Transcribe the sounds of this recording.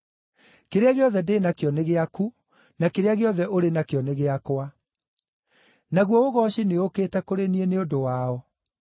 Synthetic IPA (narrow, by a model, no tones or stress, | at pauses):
keɾeaɣeɔðɛdeːnakeɔneɣeaku | nakeɾeaɣeɔðɛʔoɾenakjɔneɣeakwa | naɣwɔoɣɔɕineoketɛkoɾenieneodowaɔ